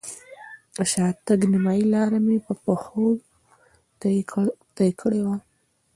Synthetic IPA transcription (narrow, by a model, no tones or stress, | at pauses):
aʃɑt̪əɡnimɑjilɑɾamepəpəxo | t̪ajkʰəɽewa